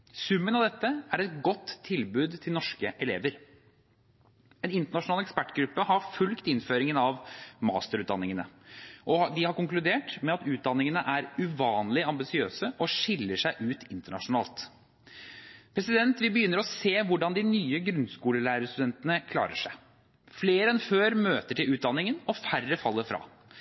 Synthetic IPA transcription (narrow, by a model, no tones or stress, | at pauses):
sʉmːənɑʋd̪ɛt̪ːəæɾɛt̪̚ɡɔt̪ʰːɪlbʉːd̪t̪ʰɪlnɔʂkəʔɛleːʋəɾ | ɛnɪnt̪əɳɑʂʊnɑlɛkspæʈːɡɾʉpːəhɑɾfʉlkt̪ɪnføːɾɪŋənɑʋmɑ̰ːst̪əɾʉːd̪ɑ̰nːɪŋənə̰ʔɔd̪ɪhɑɾkʊŋklʉd̪eːʈmɛɑt̪ʉːt̪̚d̪ɑnːɪŋənəʔæɾʉʋɑːnlɪɑmbɪsɪøːsəʔɔʂɪlːəʂæɪʔʉːt̪ʰɪnt̪əɳɑ̰ʂʊnɑːlt̪ | pʰɾɛsɪd̪ɛnt̪ʋɪbəjʏnːəɾɔseːʋʊɖɑnd̪ɪnyːəɡɾʉnskuːləlæːɾəəst̪ʉd̪ɛnt̪ənəkʰlɑ̰ːɾəʂæɪ | fleːɾəɛnføːɾmøːt̪əʈʰɪlʉːt̪̚d̪ɑnːɪŋənɔfærəfɑlːəfɾɑ̰ː